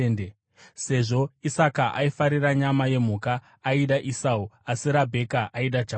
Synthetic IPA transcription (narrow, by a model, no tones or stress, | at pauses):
nde | se̞ʐo̞isakaʔaifaɾiraɲamaje̞m̤ukaː | iɗaʔisauasiɾabʱe̞kaʔaiɗad͡ʒa